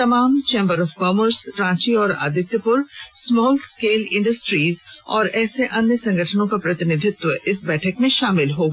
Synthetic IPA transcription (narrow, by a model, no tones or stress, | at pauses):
t̪ɐmaːmt͡ʃẽːmbəɾɔːfkɔːməɾsʈɾãːt͡ʃiɔːɾa̰ːd̪ʱɪt̪jəpʊɾsmɔːlskeːlɪ̃ɳɖəsʈɾiːzɔ̰ːɾɛːseʔɐnjəsɐ̃ŋɡəʈʰənõkapɾɐt̪ɪnɪd̪ʱɪt̪wəʔɪsbɛːʈʰəkmẽʃaːmɪlɦoːɡ